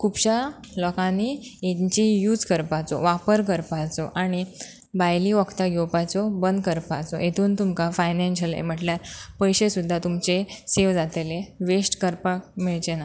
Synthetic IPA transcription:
kʰupɕa | lɔkãniet͡ɕijuːd͡zkəɾpat͡sɔ̰ʋapəɾk̬əɾpat͡sɔʔaɽ̃i | bajliʋɔkt̪aɡʱewpat͡sɔbənd̪kəɾpat͡sɔ̰ʔet̪ʰuːnt̪umkafajnẽnɕəlḛm̤əʈljaɾpəjɕesud̪ʱːat̪umt͡ɕeseʋd͡zat̪eleʋesʈkəɾpak̚miɭt͡ɕena

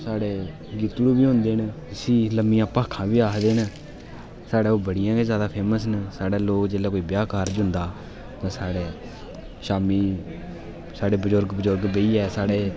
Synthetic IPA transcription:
saːɽeː | ɡiːt̪ɽuːbiːɦʊ̃nd̪eːn | sĩːləmijãːpaːkʰãːbiːaːkd̪eːn | saːɽeːoːbəɽɪjãːkezjaːd̪aːpʰeːməs̬nsaːɽaːloːkd͡ʒeːlɛːkoːiːbjaːkaːɾd͡ʒʊ̃nd̪aː | t̪ãːsaːɽeː | ʃaːmiː | saːɽeːbəd͡ʒʊɾɡbəzʊɾɡbeːiːɛːsaːɽeː

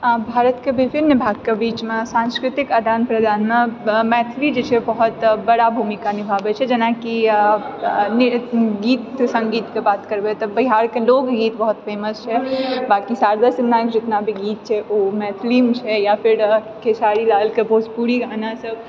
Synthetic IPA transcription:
bʱaɾət̪kebʱipʰiɾnɪbʱaɡkebit͡ʃmesãnskɾɪt̪ikad̪ʱanpɾəd̪ʱanmemɛt̪ʰlid͡ʒet͡ʃʰɛbəɦut̪bəɽabʱumikanibʱabɛt͡ʃʰɛd͡ʒɐnaki | nɡiːt̪sə̃ŋɡiːt̪kebaːt̪kəɾbet̪ɔbəɪɦaɾkeloɡɡiːt̪bəɦut̪pʰeːməst͡ʃʰɛbakisaɾd̪əsnakd͡ʒet̪nabʱiɡit̪̚t͡ʃʰɛʔomɛt̪ʰlimet͡ʃʰɛjapʰiɾ | kʰesaɾilalkebospuɾiɡʱanasəb

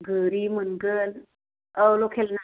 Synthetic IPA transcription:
ɡəɾimənɡən | əwlokʰelna

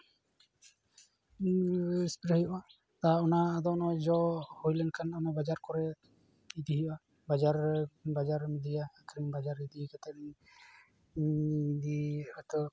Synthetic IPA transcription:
ispɾhɦəjɔʔa | t̪aɔnaːd̪ɔnɔd͡ʒɔhujlɛnkʰanɔnabad͡ʒaɾkɔɾɛ | id̪iɦəjɔʔa | bad͡ʒaɾbad͡ʒaɾmid̪ijaːkʰɾiŋbad͡ʒaɾid̪ikat̪ɛni | d̪iat̪ɔ

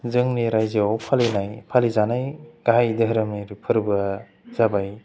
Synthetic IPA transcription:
zɯŋniɾajziawpʰalinajpʰalizanajɡ̥aɦajdɯɦɾɯmniɾipʰɯɾbɯ | zabaj

